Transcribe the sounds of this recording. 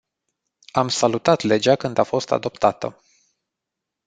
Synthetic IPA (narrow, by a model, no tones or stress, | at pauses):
amsalut̪at̪le̞d͡ʒakɨnd̪afo̞st̪a̰d̪o̞pt̪at̪ə̰